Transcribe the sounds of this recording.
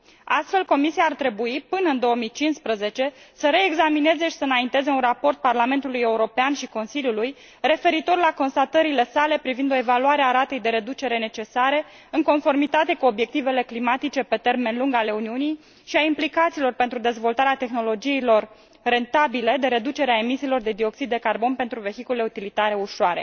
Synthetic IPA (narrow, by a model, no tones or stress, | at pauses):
a̰st̪fe̞lko̞misiaːrt̪ɾe̞buipɨnəɨnd̪o̞wəmijt͡ʃinspɾəze̞t͡ʃe̞səɾe̞ːɡzamine̞zeʃi̥sənaint̪e̞ze̞unrapo̞rt̪̚parlame̞nt̪uluje̞uɾo̞peanʃiko̞nsilʲjuluj | re̞fe̞ɾit̪o̞rlako̞nst̪at̪əɾile̞sale̞pɾivind̪o̞e̞valuaɾeaɾat̪e̞jd̪e̞ɾe̞d̪ut͡ʃe̞ɾe̞ne̞t͡ʃe̞saɾe̞ | ɨŋko̞nfo̞rmit̪at̪e̞kuo̞bje̞k̚t̪ive̞le̞klimat̪it͡ʃe̞pe̞t̪e̞rme̞nluŋɡale̞uniunij | ʃiaimplikat̪siːlo̞rpe̞nt̪ɾud̪e̞zvo̞lt̪aɾeat̪e̞xno̞lo̞d͡ʒijilo̞r | re̞nt̪abile̞d̪e̞ɾe̞d̪ut͡ʃe̞ɾeaemisiːlo̞rd̪e̞d̪io̞ksid̪ːe̞karbo̞npe̞nt̪ɾuve̞çikule̞ut̪ilit̪aɾe̞uʃoaɾe̞̰